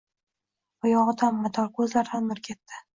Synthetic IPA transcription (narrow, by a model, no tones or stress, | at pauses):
ʊjɒʁd̪anːat̪ʰɒɾkʰɵzlaɾd̪anːʊɾkʲʰet̪ːɪ